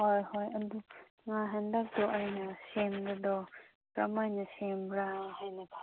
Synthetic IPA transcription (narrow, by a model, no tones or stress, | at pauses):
ɔjɦɔjɐdu | ŋaɦandak̚d̪ɔʔajnasemdad̪ɔ | pɾɐmajnɐsembɾahajnapʰa